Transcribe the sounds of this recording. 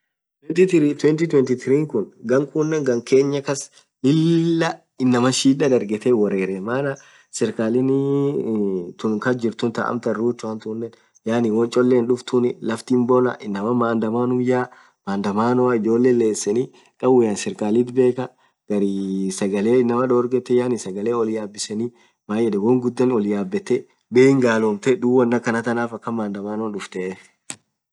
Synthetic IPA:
wt̪iɾt̪wɛnt̪it̪wɛnt̪ɪt̪ɾiːŋkʊnɡɐŋkʼuːnːɐŋɡɐŋke̞ːɲːɐkɐs | lɪlːɐ | ɪnːɐmɐʃiːᶑɐᶑɐɾɡɛt̪ɛwɐɾeːɾɛmaːnɐ | sɪɾkaːlɪnɪ | t̪ʊnkɐd͡ʒɪɾt̪ʊnt̪ɐ̰ʔɐ̰mt̪ɐruːt͡ʃːʊɐnt̪uːnːɛn | jaːnɪwɔnt͡ʃʼɔlːeːnᶑʊft̪ʊnɪlɐft̪imbɔlɐʔɪnːɐmɐmaːnd̪ɐmaːnʊjaː | maːnd̪ɐmaːnɔaɪd͡ʒo̞ːlːeːnle̞ːsːɛni | kʼɐbʊjaːnsɪɾkʼaːlit̪be̞ːkɐ | ɡ̥ɐɾisɐɡɐle̞ːɪnːɐmɐᶑɔːɾɡɛt̪ːɛjaːnɪsɐɡɐle̞ːɔlɪjaːbːɪsɛni | maːjɛᶑɛwɔŋɡʊd̪ːɐnɔlɪjaːbːɛt̪ːɛ | beːɪŋɡaːloːmt̪ɛᶑ̪uːwɐnːɐkɐnɐt̪ɐnaːfɐkːɐmaːnd̪ɐmaːnɔnᶑʊft̪ɛʔe

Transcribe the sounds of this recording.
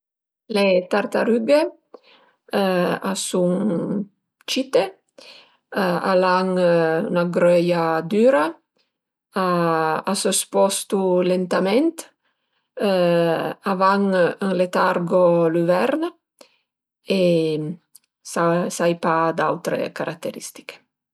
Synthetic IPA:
let̪aɾt̪aɾyɡe | asuŋ | t͡ʃit̪e | a̰laŋynaɡɾœjad̪yːɾa | aasøspɔst̪ulent̪amɛnt̪ | avaŋəŋlet̪aɾɡoluvɛɾn | e | sasajpad̪awt̪ɾḛkaɾʔak̚t̪eɾḭst̪i̥ke̥

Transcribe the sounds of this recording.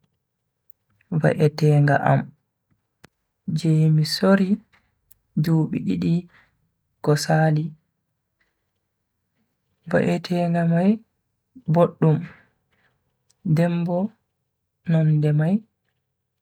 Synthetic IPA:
va̰ʔɛtɛːŋɡa̰ʔa̰m | d͡ʒɛjmisoɾi | d͡ʒuːɓḭɗiɗi | kɔsaːli | va̰ʔɛtʰɛːŋɡamaj | boɗːum | dɛmbɔ | nɔndɛmaj

